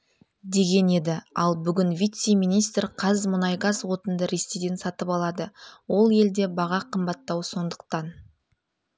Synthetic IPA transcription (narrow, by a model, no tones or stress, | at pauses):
d̪e̞ɡʲe̞ne̞d̪ɪɑlˠbʏɡʲɪnvʲit̪seminijst̪ɾqʰɑzmʊnɑjɡɑzwo̞t̪ənd̪əɾest̪ed̪ensɑt̪əpɑlˠɑd̪əwo̞lˠje̞ld̪e̞bɑʁɑqʰəmbɑt̪ːɑwso̞nd̪əq̚t̪ɑn